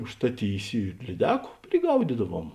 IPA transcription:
ʊʃstɐˈtʲiːsʲɪ ɪr lʲiːˈdʲæːkʊ pʲrʲɪˈɡɐʊdʲiːdɐˌʋuɔm

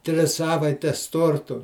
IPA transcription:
ˈtʲrʲɪs ˈsɑːʋɐɪtʲɛs ˈtoːrtʊ

